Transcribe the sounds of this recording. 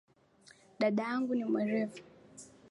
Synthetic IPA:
ɗaɗajaŋɡunimwɛɾɛfu̥

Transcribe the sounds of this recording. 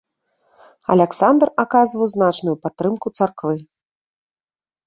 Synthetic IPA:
ɐ̰lʲaksand̪rakazvɐwznat͡ʂnujupat̪ːɾɨmkut̪sarkvɨ

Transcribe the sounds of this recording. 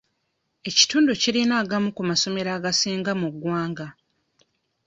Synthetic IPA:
e̞ci̥tuːnduciɾinaːɡamukumaso̞me̞ɾaːɡasiːŋɡamuɡwaːŋɡa

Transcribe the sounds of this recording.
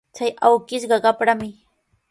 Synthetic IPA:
t͡ʃajawkɪʃɢɑɢɑpɾamɪ

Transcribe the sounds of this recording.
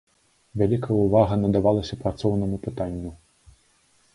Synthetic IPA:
vʲalʲikʰɐjuvaɣɐnɐd̪avalˠɐsʲɐpɾat̪sɔwnɐmupɨt̪anʲːu

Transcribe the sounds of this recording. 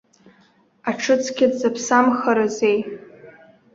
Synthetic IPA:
aʈ͡ʂʰɨt͡sʰkʲɪdzapʰsamχaɾazej

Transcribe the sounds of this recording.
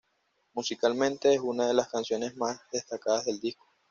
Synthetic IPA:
musikalmẽnt̪e̞esunaðe̞laskansjo̞ne̞zmazðe̞st̪akaðazðe̞ld̪ihko̥

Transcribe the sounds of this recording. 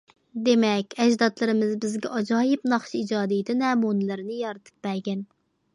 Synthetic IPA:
d̪emɛkʲɛʒd̪ɑt̪lˠɨɾɨmɨzbɪzɡʲɛʔɑd͡ʒɑːjɪpnɑχʃiid͡ʒɑːd̪ijɪt̪ʰɪnɛːmunɨlɨɾnɨjɑɾɨt̪ʰɨ̥p̚bæɾɡʲɛn

